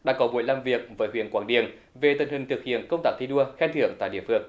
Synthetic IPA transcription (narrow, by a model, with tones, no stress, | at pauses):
ɗa̰ː˧˥kɔ˨˦mṵ˧˨jlaː˨˩mvi˨˩ək̚vəː˨˦jhwḭ˧˨ənkwaː˨˧˩ŋɗi˧˨ən | ve˨˩t̪wə˨˩nhï˨˩ŋ̟t̪ʰɨ˨˩k̚hḭ˧˨ənkə˧wŋ͡mt̪aː˦˥i˧ɗu˧əxɛ˧nt̪ʰɨ˧˨əŋt̪a̰ː˧˨ɗḭ˧˨əfɨ˧˩əŋ